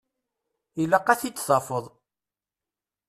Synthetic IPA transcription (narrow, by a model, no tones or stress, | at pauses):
ilaqæθit͡sːsˤɑfəðˤ